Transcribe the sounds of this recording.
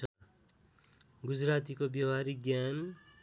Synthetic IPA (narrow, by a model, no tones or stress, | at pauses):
ʌ | ɡud͡zrat̪ikobjʌwaɾiɡjan